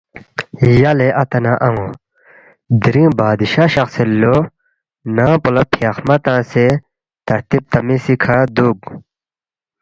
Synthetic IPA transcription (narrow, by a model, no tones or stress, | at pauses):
jɐleʔɐt̪ɐnaʔɐŋõ | d̪iɾĩːbaːd̪iɕaɕɐxselːo | nãːpulɐpʰjɐxmɐt̪ãːse | t̪ɐɾt̪ib̚t̪ɐmĩsikʰad̪uːɡ